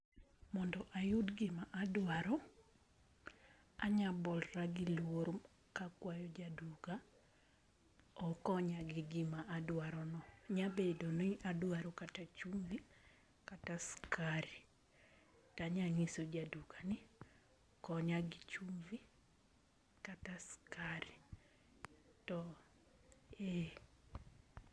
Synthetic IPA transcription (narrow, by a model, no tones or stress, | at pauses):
mɔndɔʔajudɡɪmaʔadwaɾɔ | aɲabɔlraɡɪlwoɾ | kakwajɔd͡ʒaduɡa | ɔkɔɲaɡɪɡɪmaʔadwaɾɔnɔɲabedoniʔadwaɾokatat͡ʃumvi | kataskaɾi | taɲaŋisod͡ʒaduɡanɪ | kɔɲaɡit͡ʃumvi | kataskaɾi | tɔ | e